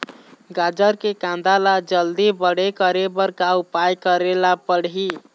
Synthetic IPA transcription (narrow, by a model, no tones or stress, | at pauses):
ɡad͡ʒəɾkekãnd̪alad͡ʒəld̪ibəɽekəɾebəɾkaupajkəɾelapəɽ̤ɦi